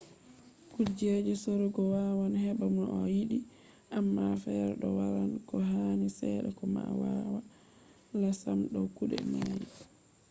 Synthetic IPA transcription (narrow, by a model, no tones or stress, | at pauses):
kuɾd͡ʒed͡ʒɛsoɾuɡɔwawanhɛbamunɔjiɗi | ʔamːafɛɾɛɗɔwaɾankɔɦanisɛɗɛkɔma̰wawa | lasamɗɔkuɗɛ̰maji